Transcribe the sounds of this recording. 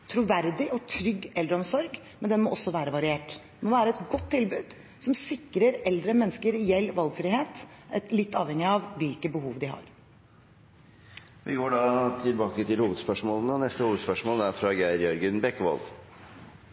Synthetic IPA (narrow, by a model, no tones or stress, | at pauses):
t̪ʰɾuʋæɾd̪ɪɔt̪ʰɾʏɡːɛld̪ɾəɔmsɔɾɡmɛnd̪ɛnmɔʔɔsːɔʋæːɾəʋɑɾɪeːʈdd̪ɛmɔʋæːɾəɛt̪ɡɔt̪ʰːɪlbʉːd̪ | sɔmsɪkːɾəɾɛld̪ɾəmɛnːəskəɾɛjɛlːʋɑlɡfɾɪːheːt̪ɛt̪lɪt̪ːɑːʋhɛŋɪɑʋʋɪlkəbəhuːʋd̪ɪhɑ̰ɾ | ʋʔɪ̰ɡoːɖɑt̪ʰɪlbɑːkət̪ɪlhuːʋəd̪spœʂmoːlənənɛst̪əhuːʋəd̪spœʂmoːlæɾfɾɑɡæɪɾjœɾɡənbɛkːəʋɑ̰lʋ